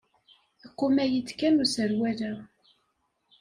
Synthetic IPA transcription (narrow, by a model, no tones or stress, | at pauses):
iqːumæjit͡sːkænusəɾwæɾæ